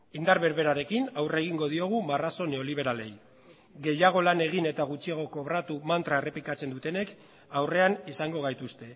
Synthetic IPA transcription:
ind̪aɾβe̞ɾβe̞ɾaɾe̞kinawre̞ɣ̞iŋɡo̞ð̞io̞ɣ̞umaraso̞ne̞o̞liβ̞e̞ɾale̞j | ɡe̞jaɣ̞o̞lane̞ɣ̞ine̞t̪aɣ̞ut͡ʃiaɣ̞o̞ko̞βɾat̪umant̪ɾaere̞plikat͡se̞nd̪ut̪e̞ne̞k | awre̞anisaŋɡo̞ɣ̞ajt̪ust̪e̞

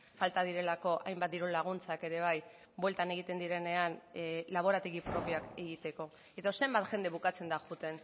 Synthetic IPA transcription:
falt̪aðiɾe̞lako̞ʔajmbat̪d̪iɾulaɣ̞unt͡sake̞ɾe̞β̞aj | bwe̞lt̪ane̞ɣ̞it̪e̞nd̪iɾe̞ne̞anlaβ̞o̞ɾat̪eɣipɾo̞piake̞ɣit̪e̞ko̞ | e̞t̪ase̞mbat̪ʝe̞nd̪e̞βukat͡se̞nd̪aʝut̪e̞n

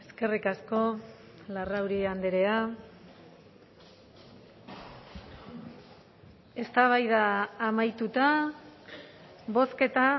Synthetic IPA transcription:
e̞ske̞rikasko̞ | larawɾiand̪eɾe̞a | e̞st̪aβ̞ajðaːmajt̪ut̪a | βo̞ske̞t̪a

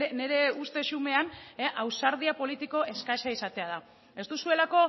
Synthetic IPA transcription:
ne̞ɾe̞ust̪e̞ʃume̞aneʔawsaɾð̞iapo̞lit̪iko̞ʔe̞skaʃaisat̪e̞að̞a | e̞st̪usue̞lako̞

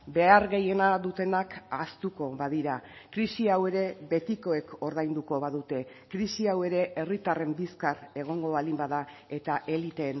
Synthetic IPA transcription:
be̞aɾɣe̞je̞naðut̪e̞nakast̪uko̞βaðiɾakɾisiawe̞ɾe̞βe̞t̪iko̞e̞ko̞ɾðajnd̪uko̞βaðut̪e̞ | kɾisiawe̞ɾe̞ʔe̞rit̪are̞mbiskare̞ɣ̞o̞ŋɡo̞βalimbaða | e̞t̪aʔe̞lit̪e̞n

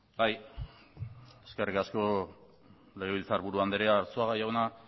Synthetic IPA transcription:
baj | e̞ske̞rikasko̞ | le̞ɣeilt͡saɾβuɾuand̪eɾeaːɾt͡soaɣajaɣona

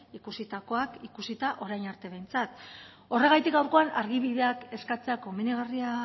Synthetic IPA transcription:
ikusit̪ako̞akikusit̪aʔo̞ɾajnaɾt̪e̞β̞e̞jnt͡sat̪ | o̞re̞ɣ̞ajt̪ik̚ɡawɾko̞anaɾɣ̞iβiðe̞ake̞skat͡seakominiɣ̞aria

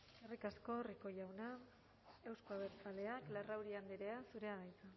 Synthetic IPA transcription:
erikasko̞riko̞jawna | e̞wskoaβeɾt͡sale̞aklarawɾiand̪eɾe̞asuɾe̞aɣajt͡sa

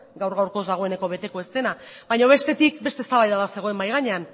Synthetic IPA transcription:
ɡawɾɣawɾko̞zðaɣ̞o̞e̞ne̞ko̞β̞e̞t̪e̞ko̞e̞st̪e̞nabajɲo̞β̞e̞st̪e̞t̪ikbe̞st̪est̪aβajðaðase̞ɣ̞o̞e̞mbajɣ̞aɲe̞an

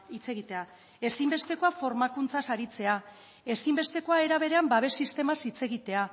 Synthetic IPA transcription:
it͡se̞ɣ̞it̪e̞a | e̞simbe̞st̪e̞ko̞afo̞ɾmakunt͡sasaɾit͡se̞a | e̞simbe̞st̪e̞ko̞ae̞ɾaβ̞e̞ɾe̞ambaβ̞e̞sist̪e̞masit͡se̞ɣ̞it̪e̞a

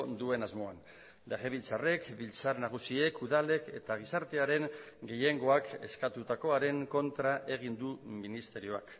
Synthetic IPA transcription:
d̪ue̞nazmo̞an | d̪eɣeβilt͡sare̞kbilt͡saɾnaɣ̞usie̞kuðale̞ke̞t̪aɣ̞isaɾt̪e̞aɾe̞ŋ | ɡe̞je̞ŋɡo̞ake̞̰skat̪ut̪ako̞aɾe̞ŋko̞nt̪ɾaʔe̞ɣ̞ind̪uminist̪e̞ɾio̞a̰k

